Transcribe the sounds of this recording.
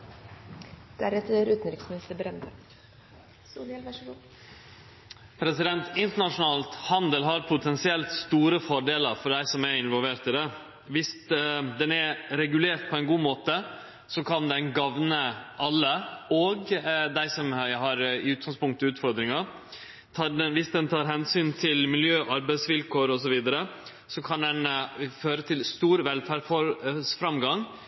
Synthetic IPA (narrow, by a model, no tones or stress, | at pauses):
d̪̥æɾɛt̪ɾʉːt̪n̩ɾɪksmɪnɪst̪əɾbɾɛnd̪ə | pʰɾɛsɪd̪ɛnt̪ɪnt̪əɳɑʂʊnɑːlt̪hɑnd̪əlɦɑɾpʰʊt̪ʰɛnsɪɛlt̪st̪uːɾəfɔɖeːləɾfɔɖæɪsɔmɛɾɪnʋɔlʋeːɾt̪iːd̪ɛ | ʋɪsd̪ɛnɛɾɛɡʉleːɾt̪̚pʰɔɛɪnɡuːmoːt̪ə | sɔkʰɑnd̪ɛnɡɑʋnəʔɑlːəɔɡd̪æɪsɔmɦɑɾɪʉːt̪̚ɡɑŋspʰʊŋk̚t̪əʉːt̪fɔɾd̪ɾɪŋɑ | t̪ʰːdɛʋɪsd̪ɛnt̪ʰɑːɾɦɛnsyːnt̪ʰɪlmɪljøːʔɑɾbæɪsʋɪlkoːɾɔs̬ɔʋiːd̪əɾə | sɔkʰɑnd̪ɛnføːɾət̪ʰɪlst̪uːɾʋɛlfæːɖfɔsfɾɑmɡɑŋ